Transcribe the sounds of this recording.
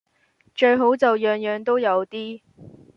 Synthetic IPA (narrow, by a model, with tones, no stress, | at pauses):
t͡ʃɵ˧ɥɦo˨˥wt͡sɐ˨wjœː˨˧ŋjœː˨ŋt̪o˥wjɐ˨˧wt̪iː˥